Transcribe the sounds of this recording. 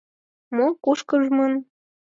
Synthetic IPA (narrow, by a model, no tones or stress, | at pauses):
mokuʃkəʒmɤn